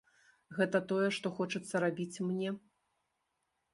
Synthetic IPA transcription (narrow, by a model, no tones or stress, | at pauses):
ɣɛt̪ɐt̪ɔjɛʂt̪ɔxɔt͡ʂɐt̪sːɐɾabʲit͡sʲmnʲɛ